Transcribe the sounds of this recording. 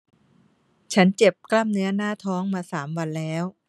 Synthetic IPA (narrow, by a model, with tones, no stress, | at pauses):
t͡ɕʰa˦˥nt͡ɕe˨˩p̚kla˥˩mnɯ˦˥ɐnaː˥˩t̪ʰɔː˦˥ŋmaː˧saː˩˦mwa˧nlɛː˦˥w